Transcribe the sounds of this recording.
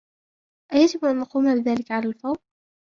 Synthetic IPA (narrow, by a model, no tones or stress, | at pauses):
ʔajad͡ʒɪbʔanːɑquːmaːbɪðaːlɪkaʕalaːlfɑw